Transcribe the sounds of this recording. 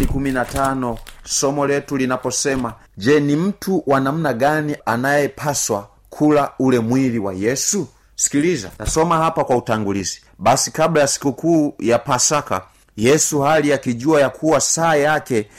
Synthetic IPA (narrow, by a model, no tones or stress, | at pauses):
ikuminatanɔsɔmɔlɛtulinapɔsɛma | d͡ʒɛnim̩tʰuwanam̩naɡanianajɛpʰaswa | kʰulaulɛmwiliwa̰jɛsu | si̥kiliza̰nasɔmaɦapakwautaŋɡulizi̥ | basikablajasi̥kukuːjapasaka̰ | jɛsuhalijakiɟuajakʰuwasaːjakɛ